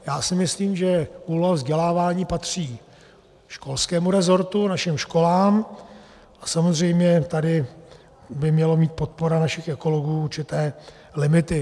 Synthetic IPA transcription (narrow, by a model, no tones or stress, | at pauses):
jaːsɪmɪsliːmʒɛkuloavzɟɛlaːvaːɲiːpat̪r̝̥iː | ʃko̞lskɛːmuɾɛzo̞ɾt̪unaʃɪmʃko̞laːm | ʔasamo̞zr̝ɛjmɲɛt̪adɪ | bɪmɲɛlomiːt̪̚po̞t̪̚po̞ɾanaʃɪxʔɛko̞lo̞ɡuːuɾt͡ʃɪt̪ɛː | lɪmɪt̪ɪ